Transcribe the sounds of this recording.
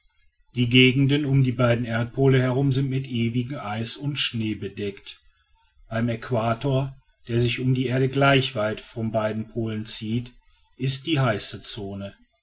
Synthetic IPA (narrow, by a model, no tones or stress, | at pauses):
d̥iːɡeːɡŋ̩dənʊmdiːbaɪdn̩ʔeːɐt̚pʰoːləhɛɐʁʊmzɪntmɪtʔeːvɪɡŋ̩ʔaɪsʊntʃneːbədɛkt | b̥aɪmɛkʰv̥aːtʰoːɐ | d̥eːɐzɪçʊmdiːʔeːɐdəɡlaɪçv̥aɪtfɔnbaɪdn̩pʰoːlənt͡siːt | ʔɪst̚d̥iːɦaɪsət͡soːnə